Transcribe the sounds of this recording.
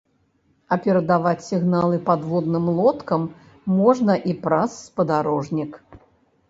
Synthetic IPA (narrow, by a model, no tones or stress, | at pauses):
ɐpʲɛɾɐd̪avat͡sʲsʲiɣnalˠɨpad̪vɔd̪nɨmlˠɔt̪kɐmː | ɔʐnɐʔipɾasːpɐd̪aɾɔʐnʲik